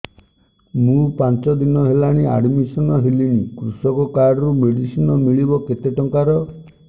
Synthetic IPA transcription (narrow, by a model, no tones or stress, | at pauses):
mũpant͡ʃɔd̪inɔɦelaɽ̃ia̰ɖmisɔnɔɦeliñikɾusɔkɔkaɖɔɾumeɽisinɔmiɭibɔket̪eʈɔŋkaɾɔ